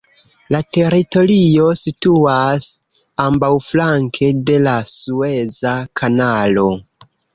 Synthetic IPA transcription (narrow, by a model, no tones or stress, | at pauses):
late̞ɾito̞lio̞situas | ambawflaŋkʰe̞de̞lasue̞zakʰanalo̞